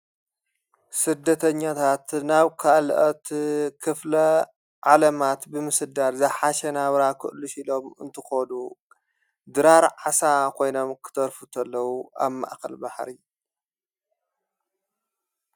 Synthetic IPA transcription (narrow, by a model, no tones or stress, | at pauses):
sɨd̪ːɐt̪ʰɐɲːat̪ʰat̪naβkʰaʔlʔɐt̪kʰɨflɐ | ʕalɐmat̪bɨmɨsɨd̪aɾzɐħaʃɐnaβɾakʰɨ̰ʔluʃilomɨ̰nt̪ʰɨxonu | d̪ɨɾaɾʕasakʰo̞jno̞mkʰɨ̥t̪ʰɐɾfut̪ʰɐlːɐwua̰βma̰ʔxɐ̰lbaħɾi